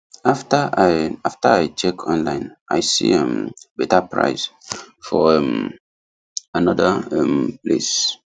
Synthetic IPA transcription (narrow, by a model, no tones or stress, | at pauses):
aftaaaftaajt͡ʃɛkʰɔ̃nlãɪ̃nʔajsḭãmbɛtapɹa̰ɪsfɔɛm | anɔdaɛmplḛs